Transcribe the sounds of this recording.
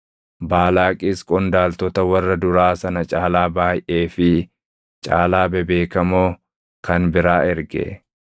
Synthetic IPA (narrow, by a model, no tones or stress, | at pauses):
baːlaːkʼiːskʼɔnd̪aːlt̪ɔt̪ɐwɐrːɐd̪ʊɾaːsɐnɐt͡ʃʼaːlaːbaːjʔe̞ːfɪ | t͡ʃʼaːlaːbɛbe̞ːkɐmoː | kʰɐnbɪɾaːʔɛɾɡɛ̰